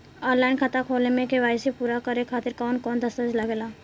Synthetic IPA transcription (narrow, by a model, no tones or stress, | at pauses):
ɔːnlaːɪnkʰat̪akʰoːlemẽkeʋaːjsepuːɾakəɾekʰaːt̪ɪɾkɔːnkɔːnd̪əsəd͡ʒlaɡeːlaː